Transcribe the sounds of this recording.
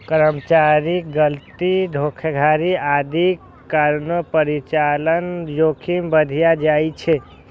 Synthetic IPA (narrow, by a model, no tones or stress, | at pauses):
kəɾəmt͡ʃaɾik̚ɡəlt̪iɖʱokʰəɡʱaɾiad̪ʱikː | aɾnəpəɾit͡ʃalənjokʰimbəd̪ʱijad͡ʒajt͡ʃʰe